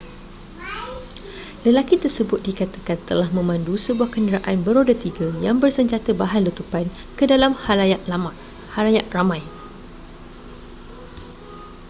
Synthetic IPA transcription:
ləlakit̪ərsəbʊt̪̚dikat̪akant̪əlahmə̃mãndusəbuahkəndəɾaʔanbəɾodət̪iɡajaŋbərsəɲd͡ʒat̪əbaɦanlət̪upan | kədalamhaam | halajat̪̚ramãj

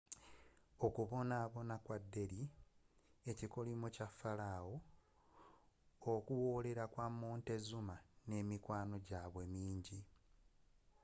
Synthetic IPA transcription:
okuβo̞naːβo̞nakwadːe̞ɾi | e̞ciko̞limucafːalawo̞ | kuwo̞ːle̞ɾakwamːoːnte̞zumane̞ːmikwaːno̞ɟaːβwe̞miːɲɟi

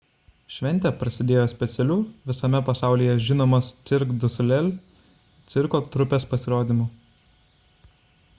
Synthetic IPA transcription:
ʃʲʋʲɛnʲt̪ʲɛpɾɐsʲɪd̪ʲeːjoːsʲpʲɛt̪sʲɛlʲuːʋʲɪsɐmʲɛpɐsɑˑʊlʲiːjɛʒʲɪnoːmɐst̪sʲɪɾkd̪ʊsʲʊlʲɛlʲ | t̪sʲɪɾkoːt̪ɾʊpʲeːspɐsʲɪɾoːd̪ʲimuː

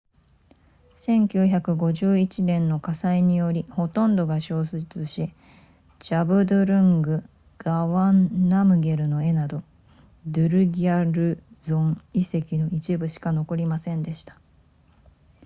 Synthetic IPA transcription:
sẽ̞ŋkʲɨ̟ːçakɯ̟ɡo̞ʑɨːit͡ɕinẽ̞nːo̞kasaiɲ̟ijo̞ɾʲiho̞t̪õ̞nd̪o̞ɡaɕo̞ːsɨt͡sɨɕi | d͡ʑabɯ̟d̪oɾɯ̟̃ŋɡɯ̟ | ɡ̥aβanːamɯ̟ɡe̞ɾɯ̟no̞e̞nad̪o̞ | d̪ɯ̟ɾɯ̟ɡʲiaɾɯ̟zõ̞ɴise̞kʲino̞it͡ɕibɯ̟ɕi̥kano̞ko̞ɾʲimasẽ̞nd̪e̞ɕi̥t̪ḁ

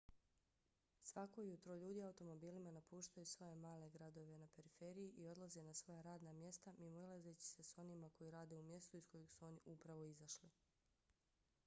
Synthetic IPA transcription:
sʋako̞jut̪ɾoʎuːd̪iaut̪o̞mo̞biːlimanapuːʃt̪ajusʋo̞je̞maːle̞ɡɾad̪o̞ʋe̞nape̞ɾife̞ɾijiʔio̞d̪lˠazenasʋo̞jaɾaːd̪namje̞st̪amimoilˠazet͡ɕi̥se̞so̞nimako̞jiɾaːd̪e̞umje̞st̪uisko̞jixsuo̞niʔupɾaʋo̞izaʃli

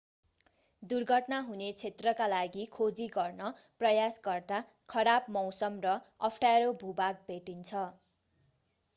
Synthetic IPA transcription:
d̪urɡʱʌʈnaɦunet͡sʰet̪rʌkalaɡikʰod͡ziɡʌrnʌ | prʌjasɡʌrd̪a | kʰʌɾabmʌwsʌmrʌʌpʰʈaɾobʱubak̚bʱeʈint͡sʰʌ

